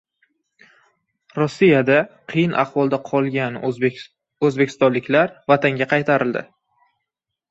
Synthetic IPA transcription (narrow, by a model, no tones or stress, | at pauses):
ɾosːijad̪aqʰɨjɪnʔa̰χvɒlˠd̪aqʰɒlˠɡʲan | ɵzbekʲʰɪ̥st̪ɒnlɪkʲlaɾvat̪ʰaŋɡʲaqʰɑjt̪ʰaɾɪld̪ɪ̰